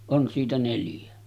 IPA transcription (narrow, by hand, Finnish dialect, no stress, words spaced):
on siːtæ neljæ